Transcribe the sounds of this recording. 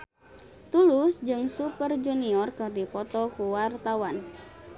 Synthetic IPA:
t̪ulusd͡ʒɨŋsupərd͡ʒuniɔrkɨrdipɔt̪ɔkuwart̪awan

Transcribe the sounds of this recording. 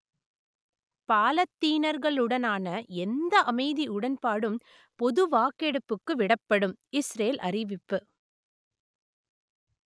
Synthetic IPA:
paːlɐt̪ːiːnɐɾɣɐɭɯɽɐnaːnɐɛnd̪ɐʔɐmɐɪðiʊɽɐnpaːɽɯm | pɔðɯʋaːkɛɽɯpːɯkːɯʋɪɽɐpːɐɽɯmɪsɾeːlʔɐrɪʋɪpːɯ

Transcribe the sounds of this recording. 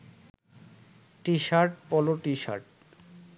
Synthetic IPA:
ʈiʃaɾʈ̚pɔloʈiʃa̰ɾʈ̚

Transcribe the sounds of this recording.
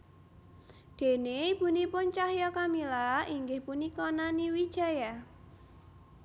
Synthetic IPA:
d̪̥e̤neb̥ṳnipʊnt͡ʃahjɔkamilaiŋɡɪhpunikɔnaniwid̥ʒ̥a̤ja

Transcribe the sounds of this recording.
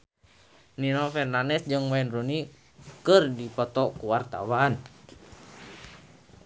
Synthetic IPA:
ninɔfɛrnanɛsd͡ʒɨŋmaɛnruni | kɨrdipɔt̪ɔkuwart̪a̰waːn

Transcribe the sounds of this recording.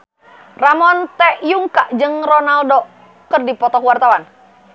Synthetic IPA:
ramɔnt̪ɛʔjuŋkaʔd͡ʒɨŋrɔnaldɔ | kərdipɔt̪ɔkwart̪awan

